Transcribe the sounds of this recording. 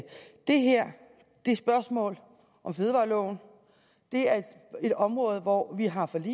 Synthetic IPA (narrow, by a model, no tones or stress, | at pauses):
d̥e̝ɦeɐ̰ | d̥e̝sb̥ɶɐsmɔ̰̽ːl | ʔɒ̽mfeð̞ˠʋɑ̈ːlɔʊ̰n̩ | d̥e̝æɐ̥ | e̝ɾ̥ɒ̽mʁɔ̽ːð̞̩ˠʋɒʋiɦɑ̈fɒ̽lḭ